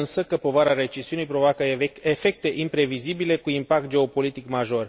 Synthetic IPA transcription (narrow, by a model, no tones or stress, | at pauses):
nsəkəpo̞vaɾaɾe̞t͡ʃiziunijpɾo̞vakəefe̞k̚t̪e̞ʔimpɾe̞vizibile̞kuimpak̚t̪̚d͡ʒe̞o̞po̞lit̪ikmaʒo̞r